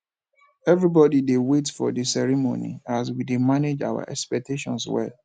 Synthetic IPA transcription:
ɛvɹibɔdidewetfɔ̰disɛɹimo̰nḭas̬widemaned͡ʒa̰wa̰ʔɛ̰kspɛk̚tʰeʃɔ̰̃nswɛ̰l

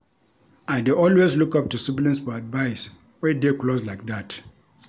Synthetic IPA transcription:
aɪdeʔɔlwezlukʌp̚tusublĩnsfɔadvaɪs | fɛdekloslaɪk̚ðat

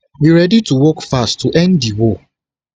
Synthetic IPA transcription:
wiɹɛdituwɔkfastːuʔɛ̃ndiwo

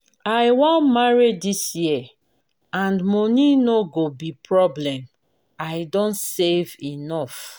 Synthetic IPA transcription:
ajwãmaɹiddisjiɛ | ãnmɔninoɡobipʰɹɔblɛ̃m | ajdõntsevinɔf

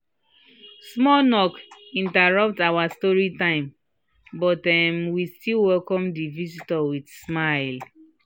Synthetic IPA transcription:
smɔnɔkĩntaɹʌp̚tawastɔɹitãɪ̃m | bɔtɛmwistilwɛlkɔ̃mdivisitɔwidsmaɪl

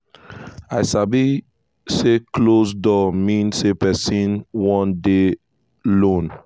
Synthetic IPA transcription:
aɪsabi | seklosdɔmĩnsepɛsĩnwɔ̃nde | lõn

